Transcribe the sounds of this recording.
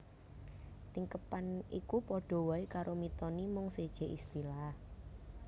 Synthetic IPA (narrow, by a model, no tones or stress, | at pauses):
t̪iŋkəpanikupɔɖ̥ɔ̤wɔikaɾʔomit̪ɔnimʊŋsed̥ʒ̥e̤ʔist̪ilah